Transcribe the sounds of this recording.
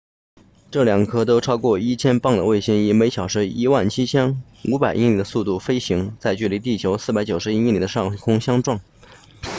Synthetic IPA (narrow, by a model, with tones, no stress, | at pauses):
ʈ͡ʂɤ˥˩ljɑ˨˩ŋkʰɤ˥t̪̬o˥ʊʈ͡ʂʰɑ˥ʊkwɔ˥˩i˥t͡ɕʰjɛ˥npɑ˥˩ŋd̪ə˩we˥˩ɪɕi˧˥ŋi˧˩me˧˥ɪɕjɑ˨˩ʊʂɻ̩˧˥i˧˥wa˥˩nt͡ɕʰi˥t͡ɕʰjɑ˥ŋ | u˧˥pa˨˩ɪʔḭ˥˩nli˨˩d̪ə˦su˥˧t̪u˥˩fe˥ɪɕi˧˥ŋt͡sa˥˧ɪt͡ɕy˥˩li˧˥t̪̬i˥˩t͡ɕʰjo˧˥ʊsɹ̩˥˩pa˧˥ɪt͡ɕjo˨˩ʊʂɻ̩˧˥i˥i˥˩nli˨˩ə˦ʂɑ˥˩ŋkʰʊ˥ŋɕjɑ˥ŋʈ͡ʂwɑ˥˩ŋ